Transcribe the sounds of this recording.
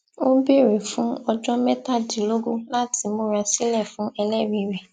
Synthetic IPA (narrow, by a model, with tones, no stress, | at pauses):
o˦be˦˨ɾe˨fũ˨˦ɔ˧d͡ʒɔ˦mɛ˦ta˦˨di˨lo˦ɡo˦la˦ti˧mo˦ɾa˧si˦lɛ˦˨fũ˨˦ʔɛ˧lɛ˦˨ɾĩ˨˧˨ɾɛ˨